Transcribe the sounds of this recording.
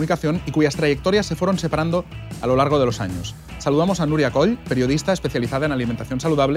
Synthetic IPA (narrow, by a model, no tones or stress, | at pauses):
nikaθjo̞nikuʝast̪ɾaʝek̚t̪oɾjasːe̞fweɾonsepaɾand̪oalo̞laɾɣ̞oðe̞lo̞saɲos | saluðamo̞sanuɾjakoʎpeɾjo̞ðist̪aespe̞θjaliθaðaenaliment̪aθjonsaluðaβle